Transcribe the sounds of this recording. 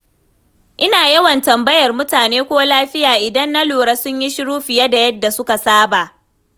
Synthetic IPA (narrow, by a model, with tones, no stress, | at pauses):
ʔɪ˦naː˨jɐ˦wɐ˨ntɐ˨mbɐ˦jɐ˨rmʊ˦taː˨neː˦kʷoː˦laː˦ɸɪ˦jaː˨ʔɪ˨dɐ˦nːa˦loː˨ɽa˦sʊ˦ɲji˦ʃɪ˦ɽuː˦ɸɪ˨ja˦da˨jɐ˦dːa˨sʊ˦ka˨saː˦ba˨ʔ